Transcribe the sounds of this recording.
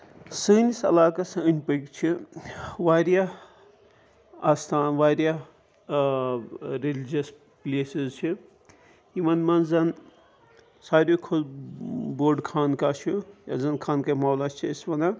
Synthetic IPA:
səːnisɐ̰laːkasɐ̃ənʲpəkt͡ʃʰi | ʋaːɾja | aːst̪ʰaːnʋaːɾja | ɾilid͡ʒɐs | plʲeːsizt͡ʃʰi | imɐnmɐnzɐn | saːɾʲjokʰol | boːɖkʰaːnkat͡ʃʰija̰zɐnkʰaːnkamawlast͡ʃʰiisʋɐna

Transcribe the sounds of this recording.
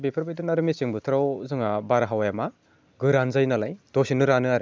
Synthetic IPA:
bepʰaɾbajdɯnaɾɯmisiŋbɯtʰɾawzɯŋabaɾaɦawajama | ɡɯɾanzajnalajd̥ɔsinɯɾanɯaɾɯ

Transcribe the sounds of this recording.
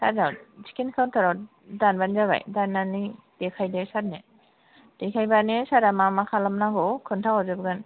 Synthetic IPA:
sʰadawt͡ʃʰi̥kinkʰawntʰaɾaw | danbanzaβa̰jdanːani | d̥ekʰajdesat̚ne | d̥ekʰajbanesaɾamamakʰalamnaɡɔkʰɯntʰawazɯbɡan

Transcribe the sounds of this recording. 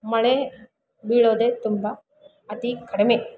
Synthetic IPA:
mɐɭe | biɭoːd̪eːt̪umbɐ | ɐt̪ikɐɽemeː

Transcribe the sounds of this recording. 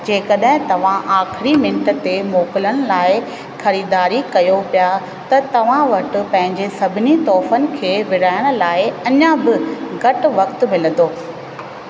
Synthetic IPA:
d͡ʑeːkɐɗɦɪ̃t̪ɐʋ̤ãʔaːxɪɾimɪ̃ɳʈə̆t̪emoːkɪləɽ̃ʊ̆laːɪ | xɐɾiːd̪aːɾikɐjopija | t̪ɐt̪ɐʋ̤ãʋɐʈʊ̆pɐ̃ɦɪ̃ɲd͡ʑesɐbʱɪnit̪ɔːfənɪ̆kʰeːʋɪɽaːɪɽ̃ʊ̆laːɪɐɲãbɪɡɐʈʋɐkt̪mɪlə̃nd̪oː

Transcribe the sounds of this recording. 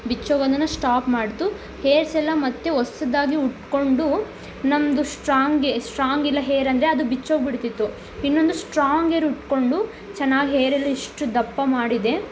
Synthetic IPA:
bit͡ʃːoːɡɐnd̪ɐnːɐsʈaːpmaːɽt̪u | heːɾsɛlːɐmɐt̪ːeɔsɐd̪aːɡiuʈko̞ɳɖu | nɐmd̪usʈɾaːŋɡesʈɾaːŋɡilːɐɦeːɾɐnd̪ɐɾeɐd̪ubit͡ʃːoːɡbiɽt̪it̪ːu | inːo̞nd̪usʈɾaːŋɡeːɾuʈko̞ɳɖu | t͡ʃɛnːaːɡiɦeːɾɛlːɐiʂʈud̪ɐpːɐmaːɽid̪e̞

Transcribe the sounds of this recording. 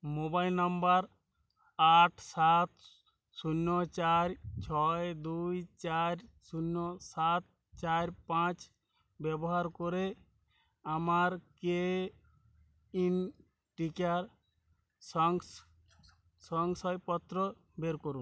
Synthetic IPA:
mobajlnambaɾ | aʈʰsat̪ | sunːɔt͡ʃaɾt͡ʃʰɔjed̪ujt͡ʃaɾsunːɔsat̪̚ | t͡ʃaɾpãt͡ʃ | bɛbɔɦaɾkoɾe | amaɾke | in | ʈikaɾ | sɔŋs | sɔŋsɔjpɔt̪ːɾɔ | beɾkoɾun

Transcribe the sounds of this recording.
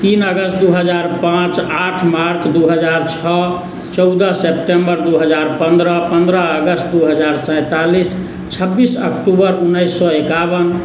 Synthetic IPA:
t̪inəɡəsʈ̚d̪uɦəd͡ʒaɾpãt͡ʃaʈʰmaɾt͡ʃd̪uɦəd͡ʒaɾt͡ʃʰɔ | t͡ʃɔʊd̪əsepʈembəɾd̪uɦəd͡ʒaɾpənd̪ɾəpənd̪ɾəːɡəsʈ̪d̪uɦəd͡ʒaɾsə̃ɪt̪alis | t͡ʃʰəbːisə̰kʈubəɾunːəjsːɔekabən

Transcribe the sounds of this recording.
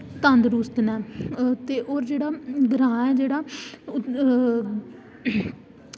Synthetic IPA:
t̪ənd̪ɾuːst̪nɛːt̪eːʔoːɾd͡ʒeːɽaːɡɾãːɛːd͡ʒeːɽaː

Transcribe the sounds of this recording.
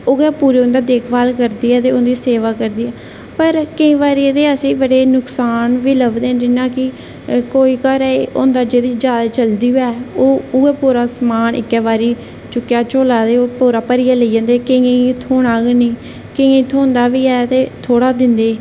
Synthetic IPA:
ʊɡɛːpuːɾeːʊ̃nd̪aːd̪eːkʰbaːlkəɾd̪iːɛːt̪eːʊnd̪iːseːʋaːkəɾd̪iːɛː | pəɾkəĩːʋaːɾiːt̪eːəsĩːbəɽeːnʊksaːnʋiːləbd̪ẽːd͡ʒɪnãːkɪ | koːiːkəɾɛʊ̰nd̪aːd͡ʒeːd̪iːd͡ʒjaːd̪aːt͡ʃəld̪iːɦoɛːoːʊɡɛːpoːɾaːsmaːnʔɪ̰kːɛːʋaːɾiː | t͡ʃʊkːjaːt͡ʃoːlaːt̪eːoːpoːɾaːpəɾiːaːləid͡ʒãːnd̪eːkəẽit̪ʰoːɽaːɡnĩː | kə̃ẽt̪ʰoːnd̪aːʋiːɛːt̪eːt̪ʰoːɽaːd̪ɪnd̪eː

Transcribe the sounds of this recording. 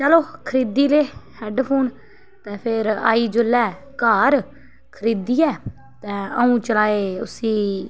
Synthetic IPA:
t͡ʃəloːkʰəɾiːd̪iːleːhɛːɖpʰuːn | t̪ɛ̃ːpʰɪɾa̰ːiːd͡ʒʊlːɛː | kaːɾ | kʰəɾiːd̪iːɛː | t̪ɛ̃ːəũːt͡ʃəlaːeːʊ̰siː

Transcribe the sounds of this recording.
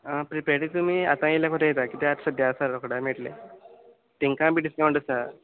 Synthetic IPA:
əpɾipɾaʈit̪um̤ia̰t̪ãilakʰoʈ̪ejet̪akit̪eat̪səd̪jasaɾɾokoɽameʈlḛ | t̪iŋkãbiɖiskaw̃ɳʈɖəsa

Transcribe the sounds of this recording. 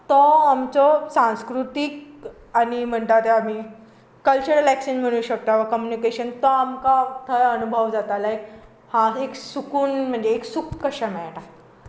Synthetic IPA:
t̪ɔamt͡sɔsãw̃skɾut̪ik | aɽ̃im̤əɳt̪at̪eam̤i | kəlt͡ɕuɾəlæksinmiɽ̃ũːɕək̚t̪aʋakɔmjunikeɕənt̪ɔamkat̪ʰəɾənubʱəʋd͡zat̪alaek | hãeksukuːnm̤əɳd͡zeːksukkːəɕəmɛɭʈa

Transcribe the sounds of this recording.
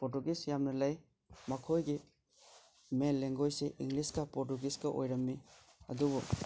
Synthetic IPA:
pɔtuɡisjamnɐlaj | mɐkʰojɡi | menlːeŋɡojseʔiŋliskɐpɔɾtuɡiskɐʔo̰jɾɐmːi | ɐ̰dubɔ

